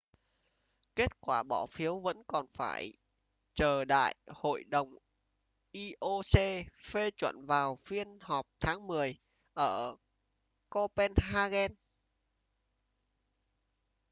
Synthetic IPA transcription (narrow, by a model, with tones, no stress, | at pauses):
ke˦˥t̚kwaː˧˩ɓɔ˧˩fi˨˦əwvə̰˧˥nkɔ˨˩nfaː˧˩j | t͡ɕəː˨˩ɗa̰ː˧˨jho̰˧˨jɗə˨˩wŋ͡m | ʔi˧ʔo˧se˧fe˧t͡ɕwə̰˧˨nvaː˨˩wfi˧ənhɔ˨˩p̚t̪ʰaː˨˦ŋmɨ˨˩əj | ʔəː˧˩ | ko˧pɛ˧nɦaː˧ɣɛ˧n